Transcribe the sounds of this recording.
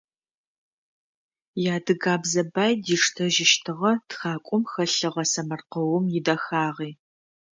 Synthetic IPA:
jaːdɨɡaːbzɐbaːjdiːʂtʰɐʒɪʃtʰɨʁɐtxaːkʷʼʊmxɐɬɨʁɐsɐmɐrqəwʊmjɪdɐxaːʁiː

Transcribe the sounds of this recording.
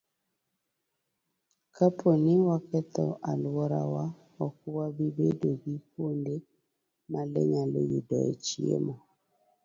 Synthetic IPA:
kapʰonɪwakɛt̪ɔ̰ʔalwɔɾa̰wa | ɔk̚ʊwabibedoɡikonde | malɛ̰ɲalo̰jidɔ̰ḛt͡ʃiḛmɔ

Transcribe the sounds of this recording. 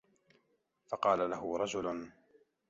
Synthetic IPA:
fɑqɑːlalaɦʊɾˤɑd͡ʒʊlʊn

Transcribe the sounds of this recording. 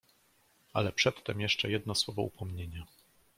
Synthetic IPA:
a̰lɛpʂɛt̪ːɛmjɛʂt͡ʂɛjɛd̪nɔswɔvɔ̰upɔmɲeɲa

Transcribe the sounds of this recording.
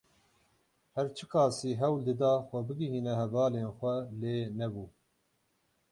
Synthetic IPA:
hɛɾt͡ʃʰɨkʰɑːsiːɦɛwld̪ɨd̪ɑːxʷɛbɨɡiɦiːnɛɦɛvɑːleːnxʷɛleːnɛbuː

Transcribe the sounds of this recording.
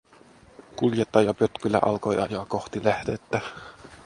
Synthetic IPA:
kuljet̪ːɑjɑpøt̪kylːæ̰ʔɑlko̞jʔɑjoɑɑko̞xt̪ilæhd̪et̪ːæ

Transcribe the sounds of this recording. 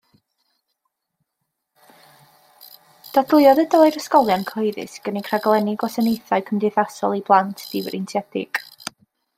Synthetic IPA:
d̥adlˠɪɔðədɔːjɾəskɔlˠjankʰoɨðɨ̰sɡ̥ənikʰraɡlˠɛnɪɡɔsənejθaɨkʰəmdɪθasɔ̰lˠiblˠantʰd̥ɪwɾɪntʰjɛdɪ̰ɡ̥

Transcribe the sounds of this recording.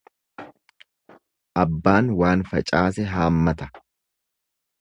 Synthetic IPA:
ʔɐbːaːnwaːnfɐt͡ʃʼaːsɛɦaːmːɐt̪ɐ̥

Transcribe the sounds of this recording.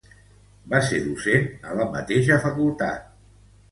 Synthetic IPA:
baseɾðusenələmə̰t̪eʃəfəkulˠt̪a̰t̪̚

